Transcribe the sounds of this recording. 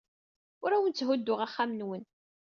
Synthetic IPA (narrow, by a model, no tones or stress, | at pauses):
ʊɾæwənt͡sːɦʊd̪ːʊʁaχːamənwən